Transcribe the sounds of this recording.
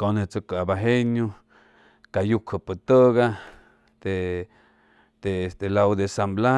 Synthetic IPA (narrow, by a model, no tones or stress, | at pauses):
konet͡sokabaɦeɲo | kajukhəpɨt̪əɣa | t̪e | t̪est̪elawd̪esambla